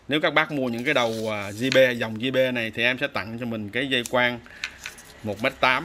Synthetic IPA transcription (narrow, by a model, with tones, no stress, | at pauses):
ne˨˦wkaː˦˥k̚ɓaː˦˥k̚mu˧əɲɨ̰˧˥ŋkaː˨˦ɗə˨˩wəː˨˩zi˧ɓe˧za˨˩wŋ͡mzi˧ɓe˧na˨˩jt̪ʰi˨˩ʔɛ˧msɛ̰˧˥t̪a̰˧˨ŋt͡ɕɔ˧mï˨˩ŋ̟kaː˨˦jzə˧jkwaː˧ŋ | mo˨˩t̚me˦˥t̚t̪aː˨˦m